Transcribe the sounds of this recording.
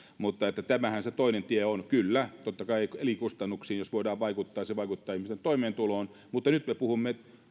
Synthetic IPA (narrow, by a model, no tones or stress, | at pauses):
mut̪ːɑet̪ːæt̪æmæhænset̪oinent̪ieonkylːæt̪ot̪ːɑkɑiekelikust̪ɑnːuksiːnjosʋoidɑːʋʋɑikut̪ːɑːjɑseʋɑikut̪ːɑːihmist̪ent̪oimeːnt̪uloːn | mut̪ːɑnyt̪mepuhumːeet̪